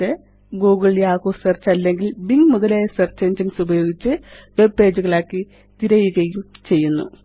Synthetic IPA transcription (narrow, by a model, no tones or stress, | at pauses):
e | ɡoːɡɐɭijaːɣoːsɐrt͡ɕːɐlːeŋɡilbiŋɡmuðɐlesɐrt͡ɕeɲd͡ʑinsubɐjo̞ːɡit͡ɕːɨʋe̞be̞ːd͡ʑuɣɐɭaːkːi | t̪iɾɐjuɣɐjumt͡ɕe̞jːunːṵ